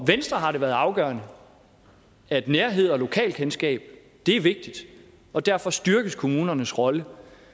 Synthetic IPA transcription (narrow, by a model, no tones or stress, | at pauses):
ʋensd̥ʁɐɦɑ̈ɾeʋæɐð̩ˠɑ̈ʊɡ̥ɶːɐnə | æe̝d̥neːɐɦe̝ð̞̰ˠɒ̽lo̝kʰɛ̰ːlkʰensɡ̥ɛ̰ːb̥ | d̥e̝æɐʋe̝ɡ̥̚d̥id̥ | ɒ̽d̥æɐfɒ̽sd̥yɐɡ̥əskʰo̝muːnɐnəsʁɒ̽lə